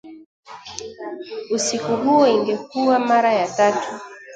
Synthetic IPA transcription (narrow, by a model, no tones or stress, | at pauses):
usikuɦuɔiŋɡɛk̚uwamaɾajatatʰu